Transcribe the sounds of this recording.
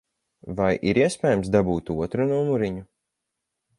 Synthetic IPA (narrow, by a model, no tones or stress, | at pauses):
vajʔiɾiɛspʲɛːjamsd̪abuːt̪uɔt̪ɾunumuɾiɲu